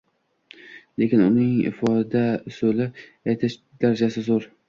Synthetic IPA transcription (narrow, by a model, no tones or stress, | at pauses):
le̞kʲɪnʊnɪŋɪ̰fɒd̪asolɪ | ajt̪ʰɪʃ | d̪̥aɾad͡ʒasɪzoɾ